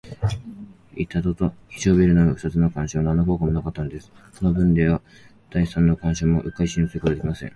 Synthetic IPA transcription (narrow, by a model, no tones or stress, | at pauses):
it̪ad̪ot̪oçi̥ɕoːbeɾɯ̟noɡaɸɯ̟̥at͡sɨnokãɰ̃ɕoːnanːoko̞ːkomonakat̪ːanod̪e̞sɨ̥ | ko̞no̞bɯ̟̃nd̪e̞βa | d̪̥aisãnːokãɰ̃ɕoːmo̞ʔɯ̟kaiɕĩñsɨɾɯkoad̪eimasḛ̃ŋ